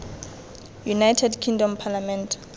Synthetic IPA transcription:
junajtʰɛdkʰĩŋdɔmpʰalamɛ̃ntʰ

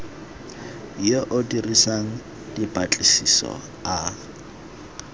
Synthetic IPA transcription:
joʔʊdirisaŋ̩ | d̥ibat͡ɬʼisisɔ̰ | a

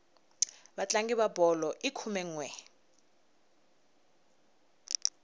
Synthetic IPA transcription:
ɓat͡ɬʼaŋɡiβabɔlɔʔikʰumɛŋwɛ

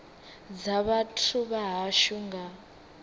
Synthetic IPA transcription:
d͡zaβatʰuβaɦaʃuŋɡa

